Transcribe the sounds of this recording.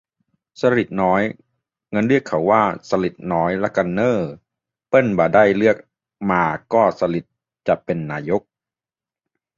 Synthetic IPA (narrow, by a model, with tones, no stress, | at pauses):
sa˧ɾi˨˩t̪̚nɔː˦˥j | ŋɤ˧nɾi˥˩əkʰːa˩˦wːaː˥˩sa˧li˨˩t̪̚nɔː˦˥jlɛ˦˥ka˧nːɤː˥˩ | pɤ˥˩nbaː˨˩daː˥˩jlɯ˥˩ək̚ | maː˧kɔː˥˩sa˧li˨˩t̪̚ | t͡ɕa˨˩ʔpe˧nːaː˧˥jo˦˥k̚